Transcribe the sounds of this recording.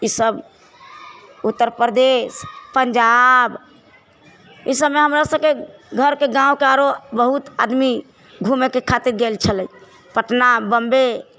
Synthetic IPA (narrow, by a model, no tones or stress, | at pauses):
isəb | ut̪ːəɾpɾəd̪espəɲd͡ʒab | isəbmeɦəmɾasəb̚keɡʱəɾkeɡãũkeaɾobəɦut̪a̰d̪mi | ɡʱumekekʰat̪iɾɡelt͡ʃʰəlɛ | pəʈnabəmbe